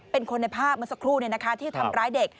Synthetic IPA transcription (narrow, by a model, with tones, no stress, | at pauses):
pe˧nkʰo˧nːa˧jpʰaː˥˩p̚mɯ˧sa˧kʰɾuː˥˩ni˥˩na˦˥kʰa˦˥t̪ʰiː˥˩t͡ɕt̪ʰa˧mɾaː˦˥jde˨˩k̚